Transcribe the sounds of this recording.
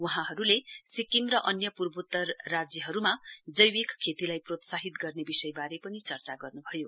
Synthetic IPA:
wuɦãɦʌɾulesikimrʌʔʌnjʌpurbut̪ːʌrːad͡zjʌɦʌɾumad͡zʌjwikkʰːet̪ilajprot̪saɦit̪ɡʌrnebisʌjbaɾepʌnit͡sʌrt͡saɡʌrnubʱʌjo

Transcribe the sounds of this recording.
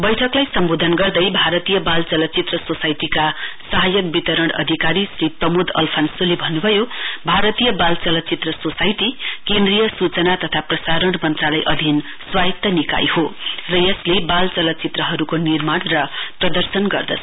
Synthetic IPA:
bʌjʈʰʌklajsʌmbod̪ʱʌnɡʌrd̪ʌjbʱaɾʌt̪ijʌbalt͡sʌlʌt͡sit̪rʌsosajt̪ikasʌɦajʌk̚bit̪ʌɾʌɽʌ̰d̪ʱikaɾisrip̪ʌmud̪ʌ̰lpʰansulebʱʌnːubʱʌjobʱaɾʌt̪ijʌbalt͡sʌlʌt͡sit̪rʌsosajt̪ikend̪rijʌsut͡sʌnat̪ʌt̪ʰaprʌsaɾʌɽmʌnt̪ralajʔʌd̪ʱin | swajkt̪ːʌnika̰jhorʌjʌslebalt͡sʌlʌt͡sit̪rʌɦʌɾukonirmaɽrʌprʌd̪ʌrsʌnɡʌrd̪ʌ̰sʰ

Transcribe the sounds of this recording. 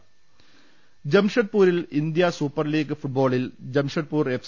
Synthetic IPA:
d͡ʑɐmʂɐʈ̚puːɾilind̪jɐsuːpːɐrliːɡɨfuʈ̚bo̞ːɭild͡ʑɐmʂɐʈ̚puːref

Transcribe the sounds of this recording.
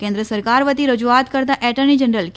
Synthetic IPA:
kẽːnd̪ɾəsɐɾkaːɾʋət̪iɾɐd͡ʒuaːt̪kɐɾd̪aʔɛːʈənid͡ʒənɾəlk

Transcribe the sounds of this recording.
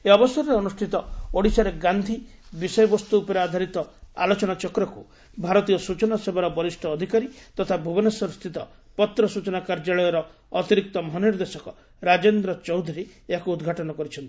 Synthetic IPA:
eɔbɔsɔɾɔɾeɔnusʈʰit̪ɔoɽisaɾeɡand̪ʱibisɔjɔbɔst̪uːpɔɾead̪ʱaɾit̪ɔa̰lot͡ʃɔnat͡ʃɔkɾɔku | bʱaɾɔt̪ijɔsut͡ʃɔnasebɔɾɔbɔɾisʈʰɔːd̪ʱikaɾit̪ɔt̪ʰabʱubɔnesɔɾst̪ʰit̪ɔ | pɔt̪ɾɔsut͡ʃɔnakaɾd͡ʒaɭɔjɔɾɔ | ɔt̪iɾik̚t̪ɔmɔɦɔniɾd̪esɔkɔ | ɾad͡ʒend̪ɾɔt͡ʃɔwd̪ʱuɾieakuːd̪ɡʱaʈɔnɔkɔɾit͡ʃʰɔnt̪i̥

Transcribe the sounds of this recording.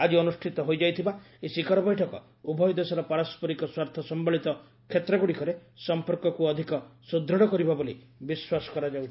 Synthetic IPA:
ad͡ʒiɔnusʈʰit̪ɔɦojd͡ʒajt̪ʰiba | esikɔɾɔbɔjʈʰɔkɔ̰ | ubʱɔjɔd̪esɔɾɔpaɾaspɔɾikɔswaɾt̪ʰɔsɔmbɔɭit̪ɔ | kʰet̪ɾɔɡuɽikɔɾesɔmpɔɾkɔkuɔd̪ʱikɔsud̪ʱɾɔɽɔkɔɾibaboli | biswasɔ̥kɔɾad͡ʒawʰ

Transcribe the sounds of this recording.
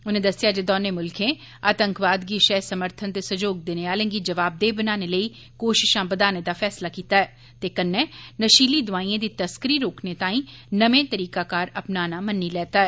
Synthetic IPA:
ʊnẽːd̪əsɪjaːd͡ʒeːd̪ɔːneːmʊlkʰẽː | aːt̪əŋkʋaːd̪ɡiːʃɛːsəməɾt̪ʰənt̪eːsəd͡ʒoːɡ̚d̪eːneaːlẽːɡiːd͡ʒəʋaːb̚d̪eːbənaːneːləiː | koːʃɪʃãːbəd̪aːneːd̪aːfʰɛːslaːkiːt̪aːɛː | t̪eːkənːɛ̃ːnəʃiːliːd̪ʊʋaːiːãːd̪iːt̪əskəɾiːɾoːkʰneːt̪ãːĩːnəʋẽːt̪əɾiːkaːkaːɾəpnaːnaːmənːiːlɛːt̪aːɛː

